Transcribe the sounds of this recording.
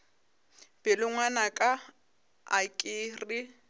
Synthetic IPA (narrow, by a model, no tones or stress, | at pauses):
b̥ɪlʊŋwanakʼa | akʼɪːri